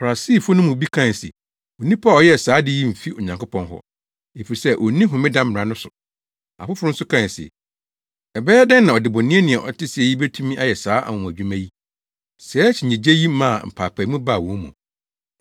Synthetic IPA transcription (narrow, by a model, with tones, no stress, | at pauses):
fa˨a˨siː˦˨fʊ˦nʊ̃˦mũ˨bi˦kʰã˦˨n˨sɪ̰˨ | o˨nĩ˦pʰa˦˨ɔ˨jɛ˦˨saː˨˦dɪ˦ji˦m̩˨fi˦ʊ˨ɲã˨ŋkʊ˦pʰɔ̃˨nɦɔ̰˦ | e˨fi˨ɾi˨sɛ˦ʔɔ˨nĩ˦ɦʊ̃˨mɪ̃˦dã˦m˦m˨ɾa˨nʊ̃˦sʊ˨ | a̰˨fʊ˦fʊ˦ʊ˦n̩˦sʊ˦kʰã˦˨n˨sɛ̰˨ | ɛ˨bɛː˦ɛ˦dɛ˦nːã˨ɔ˨dɪ˨bɔ̃˨nɪ̃˦ɛ˦nɪ̃˨ɛ˨ʔɔ̰˨tʰɪ˦sɪ˨ɛ˨ji˦be˦tʰũ˦mĩ˦ʔa˦jɛ˨saː˨˦ʔa̰˨ʊ̃˨æ˨d͡ʑᶣu˦mã˦ji˦ | sɛː˨˦t͡ɕʰɪ˨ɲĩ˨d͡ʑe˦ji˦mã˦˨m̩˨pʰaː˨pʰa˨˦mũ˦ba˦˨wɔ̃˨˦mṵ̃˨